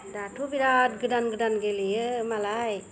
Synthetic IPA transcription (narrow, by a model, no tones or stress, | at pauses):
d̪aʈʰubiɾad̪ɡɯdanɡɯdanɡelijəmalaj